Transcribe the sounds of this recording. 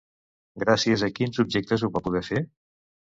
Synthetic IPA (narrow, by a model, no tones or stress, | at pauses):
ɡɾasiəzəkinzubʒɛk̚t̪əzuβapuðɛfe